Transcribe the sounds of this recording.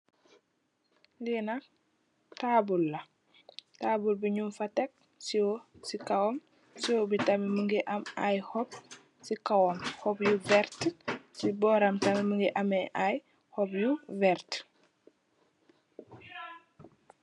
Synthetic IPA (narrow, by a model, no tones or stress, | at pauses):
linak | tabulːɐ | taːbulbiɲumfɐtɛk̚ | siwosikɐwɔm | siwobitɐmiməŋɡiʔɐmajhɔp̚ | sikawɔmhɔpjuvɛɾtsibɔːɾɐmtɐmiməŋɡiʔɐmɛʔaj | hɔpjuvɛɾt